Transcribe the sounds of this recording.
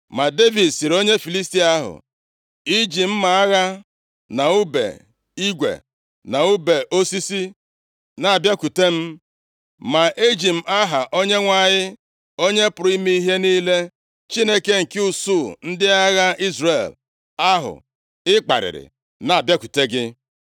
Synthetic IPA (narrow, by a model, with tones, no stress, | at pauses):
ma˨de˦vi˨dsi˨ɾo˦ɲe˦fi˨li˦sti˦a˦ɦʊ̰˨ | i˦d͡ʒi˨m̩˦ma˨a˦ɣa˦ | na˨u˦bḛ˨ | i˦ɡʷḛ˨ | na˨u˦be˨ʔo˦si˦si˦ | na˨a˨bja˦ku˨te˦m̩˦ | ma˨ʔe˦d͡ʒi˨m̩˦˨˦a˦ɦa˨ʔo˦ɲe˦ŋʷa˨ɲɪ˦ | o˦ɲe˦pʊ˨ɾi˦mi˦i˦ɦe˦niː˦le˦ | t͡ʃi˦ne˦ke˦ŋ̩˨kɪ˦u˨su˦˨n̩˦dɪ˦a˦ɣa˦i˦zre˨l | a˦ɦʊ̰˨ | ɪ˦k͡pa̰˨ɾɪ̰˨ɾɪ̰˨ | na˨a˨bja˦ku˨te˦ɡɪ˦